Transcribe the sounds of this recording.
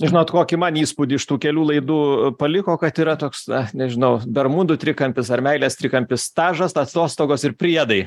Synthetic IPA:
ʒʲɪnoːtkoːkʲɪmɐniːspudʲiːɪʃt̪uːkʲɛlʲuːlˠɐɪd̪uːpɐlʲɪkoːkɐt̪iːɾɐt̪oːksɐnʲɛʒʲɪnɐʊbʲɛrmʊnd̪ʊt̪ʲɾʲɪkɐmʲpʲɪsɐɾʲmʲɛɪlʲɛːst̪ʲɾʲɪkɐmʲpʲɪst̪ɑːʒɐst̪ɐst̪oːst̪oːɡoːsɪrpʲɾʲiɛd̪ɐɪ

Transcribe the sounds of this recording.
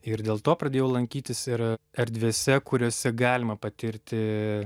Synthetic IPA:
ɪɾd̪ʲeːlˠt̪oːpɾɐd̪ʲeːjɛʊlˠɐŋʲkʲiːt̪ʲɪsɪɾɛɾʲd̪ʲʋʲeːsʲɛkʊɾʲoːsʲɛɡɑːlʲɪmɐpɐt̪ʲɪɾʲt̪ʲɪ

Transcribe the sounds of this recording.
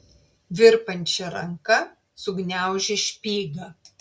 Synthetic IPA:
ʋʲɪɾpɐnʲt͡ʃʲɛɾɐŋkɐ | sʊɡnʲæˑʊʒʲɛʃʲpʲiːɡɐ

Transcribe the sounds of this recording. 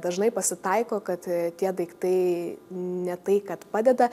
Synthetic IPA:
d̪ɐʒnɐɪpɐsʲɪt̪ɐɪkoːkɐt̪t̪ʲiɛd̪ɐɪkt̪ɐɪ | nʲɛt̪ɐɪkɐt̪pɑːd̪ʲɛd̪ɐ

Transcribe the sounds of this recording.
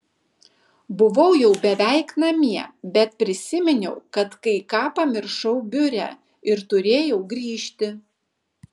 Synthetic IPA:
bʊʋɐʊjɛʊbʲɛʋʲæɪknɐmʲiɛbʲɛt̪̚pʲɾʲɪsʲɪmʲɪnʲɛʊkɐt̪kɐɪkɑːpɐmʲɪɾʃɐʊbʲʊɾʲæ̰ː | ɪɾt̪ʊɾʲeːjɛʊɡɾʲiːʃʲt̪ʲɪ

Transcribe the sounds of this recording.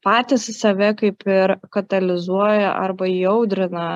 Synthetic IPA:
pɑːt̪ʲɪssɐʋʲɛkɐɪpɪɾkɐt̪ɐlʲɪzuɔjɛʔɐ̰ɾbɐjɛʊd̪ʲɾʲɪnɐ

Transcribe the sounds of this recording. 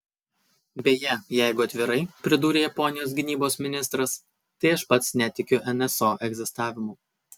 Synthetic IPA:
bʲeːjɛjɛɪɡʊɐt̪ʲʋʲɪɾɐɪpʲɾʲɪd̪uːɾʲejɐpɔnʲɪjoːsɡʲɪnʲiːboːsmʲɪnʲɪst̪ɾɐs | t̪ɐɪɐʃpɐt̪snʲɛt̪ʲɪkʲʊʔɛnʲɛsoːʔɛɡʲzʲɪst̪ɑːʋʲɪmuː

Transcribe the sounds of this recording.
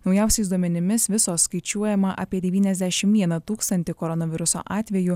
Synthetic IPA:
nɒʊjɛˑʊsʲɛɪsd̪uɔmʲɛnʲɪmʲɪsʋʲɪsoːsːkɐɪt͡ʃʲuɔjɛmɐʔɐ̰ːpʲiɛd̪ʲɛʋʲiːnʲɛzʲd̪ʲæʃʲɪmʋʲiɛnɐt̪uːkst̪ɐnʲt̪ʲɪkɔɾɔnɐʋʲɪɾʊso̰ːʔɑːt̪ʲʋʲɛju

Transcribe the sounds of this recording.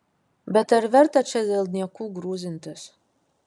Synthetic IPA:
bɛt̪aɾvɛrt̪at͡ʃɛzɛlˠd̪niɛkuɡɾuːzɨnt̪ʰas

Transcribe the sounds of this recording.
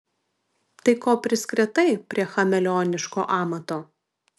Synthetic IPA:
t̪ɐɪkoːpʲɾʲɪsʲkɾʲɪt̪ɐɪpʲɾʲiɛxɐmʲɛlʲoːnʲɪʃko̰ːʔɑːmɐt̪oː

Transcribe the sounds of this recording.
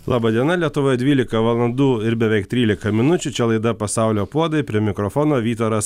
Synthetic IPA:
lˠɑːbɐd̪ʲiɛnɐlʲiɛt̪ʊʋoːjɛd̪ʲʋʲiːlʲɪkɐʋɐlˠɐnd̪uːɪɾbʲɛʋʲɛɪk̚t̪ʲɾʲiːlʲɪkɐmʲɪnʊt͡ʃʲʊt͡ʃʲɛlˠɐɪd̪ɐpɐsɑˑʊlʲoːpuɔd̪ɐɪpʲɾʲiɛmʲɪkɾɔfoːnoːʋʲiːt̪oɾɐs

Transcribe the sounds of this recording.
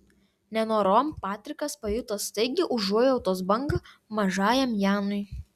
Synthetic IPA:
nʲɛnoːɾoːmpɑːt̪ʲɾʲɪkɐspɐjʊt̪ɐst̪ɐɪɡʲɪʔʊʒuɔjɛʊt̪oːsbɐŋɡɐmɐʒɑːjɛmjæːnʊɪ

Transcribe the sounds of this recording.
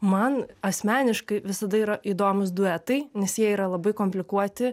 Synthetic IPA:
mɐnɐsʲmʲæːnʲɪʃkɐɪʋʲɪsɐd̪ɐiːɾɐʔiːd̪oːmʊsd̪ʊɛt̪ɐɪnʲɛsjiɛiːɾɐlˠɐbɐɪkoːmʲpʲlʲɪkuɔt̪ʲɪ

